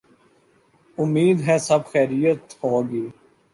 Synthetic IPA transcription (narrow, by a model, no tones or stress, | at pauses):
ʊmiːd̪ɦɛːsəbxɛːɾijət̪hoːɡiː